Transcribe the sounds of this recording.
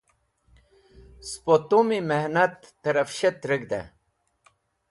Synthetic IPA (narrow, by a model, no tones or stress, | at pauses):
spot̪umimehnɐt̪ːəɾɐfɕet̪ɾəɡd̪ḛ